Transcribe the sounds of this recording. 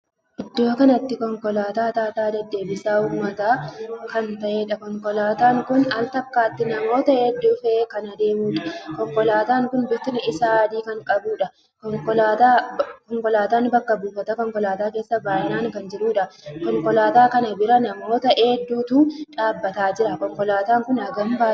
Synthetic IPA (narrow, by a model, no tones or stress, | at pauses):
ʔɪd̪ːo̞ːkɐnɐt̪ːɪkɔŋkɔlaːt̪aːt̪aːt̪aːd̪ɐd̪ːe̞ːbɪsaːhuːmːɐt̪aːkɐnt̪ɐʔeːᶑɐkɔŋkɔlaːt̪aːŋkʊnɐlt̪ɐkːaːt̪ːɪnɐmo̞ːt̪ɐeːd̪ːʊfɛeːkɐnɐd̪e̞ːmuːᶑɐ̥kɔŋkɔlaːt̪aːŋkʊnbɪt̪ɪnɪɪsaːd̪iːkɐŋkʼɐbuːᶑɐ | kɔŋkɔaːt̪aːkɔŋkɔlaːt̪aːnbɐkːɐbuːfɐt̪ɐkɔŋkɔlaːt̪aːke̞ːsːɐbaːʔɪnaːŋkɐnd͡ʒɪɾuːᶑɐkɔŋkɔlaːt̪aːkɐnɐbɪɾɐnɐmo̞ːt̪ɐʔeːd̪ːuːt̪uːt͡ʃaːbːɐt̪aːd͡ʒɪɾɐkɔŋkʼɔlaːt̪aːŋkʊnɐɡɐmbaː